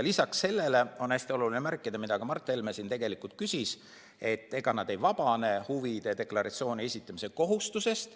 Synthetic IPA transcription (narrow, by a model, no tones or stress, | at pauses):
lisɑkse̞lːe̞le̞o̞næsʲt̪io̞lulinemærkːˑid̪̥ɑmid̪̥ɑkɑmɑrt̪ːˑelmesint̪e̞ɡe̞likult̪̚kysʲis | e̞t̪ˑːe̞ɡ̥ɑnɑd̪e̞jvɑb̥ɑne̞huvid̪̥e̞d̪e̞klɑɾʔɑ̰t̪sio̞ːnʲie̞sʲit̪ːˑɑmise̞ko̞ɦust̪use̞st̪